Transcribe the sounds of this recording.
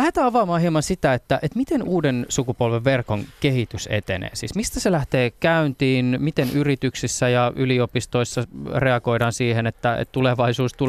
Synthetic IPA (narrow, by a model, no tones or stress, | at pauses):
æhet̪æːɑʋɑmɑːhiemɑnsit̪æet̪ːæʔet̪mit̪enuːdensukupolʋeʋːerkoŋkehit̪ysḛt̪enḛːsḭːsmist̪æselæht̪eːkæynt̪iːnmit̪enʔyrit̪yksisːæjɑʔyliopist̪oisːɑreɑɡo̞idɑːnsiːhenet̪ːæḛt̪t̪uleʋɑisuːst̪ul